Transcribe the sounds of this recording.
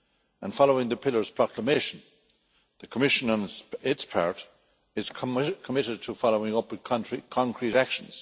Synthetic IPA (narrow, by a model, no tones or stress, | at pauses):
ə̰̃nfɑloʊɪ̃ŋðəpʰɪlə˞z̥pʰɹ̥ɑkʰləmeɪʃə̃n | ðəkʰəmɪʃə̃nə̃nɪtspʰɑ̰ɹɾ | ɪz̥ʰkʰəmɪɾɪd̚tʰəfɑloʊɪ̃ŋʌpkʰnɹikʰɑ̃ŋkʰɹ̥iɾækʃə̃n̩z̥